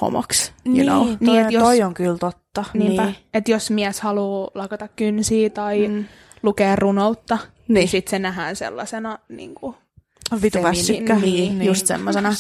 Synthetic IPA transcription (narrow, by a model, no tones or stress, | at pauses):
ho̰mo̰ksnno̰ːniːejot̪soioŋkylt̪ot̪ːɑniːmæet̪josmiæshɑluːlɑkɑt̪ɑkkynsiːt̪ɑi | lukeːrrunout̪ːɑ | nisit̪senæɦæːnsḛlːɑ̰senɑnḭŋku | ʋit̪uʋɑst̪ykːæinjust̪sḛmːosenɑ